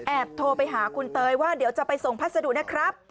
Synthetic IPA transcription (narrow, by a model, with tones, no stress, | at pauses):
ʔɛː˨˩p̚t̪ʰoː˧pa˧jɦaː˩˦kʰu˧nt̪ɤː˧jwaː˥˩di˩˦wt͡ɕa˨˩pa˧jso˨˩ŋpʰa˦˥t̪̚sa˧du˨˩ʔ̚naː˦˥˩kʰɾa˦˥p̚